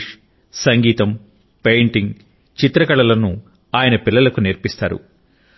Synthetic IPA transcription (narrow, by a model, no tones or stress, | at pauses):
sɐŋɡiːt̪ɐm | pejɳʈiŋɡ | t͡ʃit̪ɾɐkɐɭɐlɐnu | aːjɐnɐpilːɐlɐkuniɾpist̪aːɾṵ